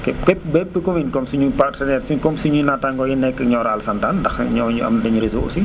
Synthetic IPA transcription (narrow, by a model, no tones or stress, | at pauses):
kɛkɛbɛpːəkominkɔmsiɲupartənɛːrsikɔmsiɲunataŋkɔjinɛkːɐkɲɔːɾalsantandɐxɲɔɲuɐ̰mdɐɲuɾezoo̰si